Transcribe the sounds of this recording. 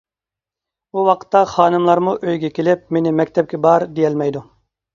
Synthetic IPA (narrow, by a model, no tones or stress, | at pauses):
buwɑqʰə̥t̪ːɑχɑːnɨmlˠɑɾmuʔøjɡʲɛkʲʰelɪp̚menɪmɛkʲt̪ʰɛp̚kʲɛbɑɾd̪ijɛlmɛjd̪u